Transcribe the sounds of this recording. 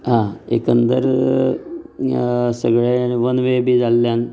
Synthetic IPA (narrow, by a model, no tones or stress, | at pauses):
ɦãḛkənd̪əɾ | səɡɭaaɽ̃iʋənʋebʱiːd͡zalːjan